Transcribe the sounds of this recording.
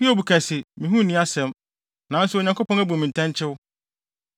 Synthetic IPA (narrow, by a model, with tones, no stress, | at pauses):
ɸi˦o˦˨bu˨kʰɛ˨sɪ˨mĩ˨ɦũ˦nĩ˦a˦sɛ̃˦m | nã˨˦n˦sʊ˦o˨ɲã˨ŋko˦pɔ̃˦næ˦bu˨mĩ˨n˨tʰɛ̃˦ɲ˦t͡ɕʰɪ˦wʊ˦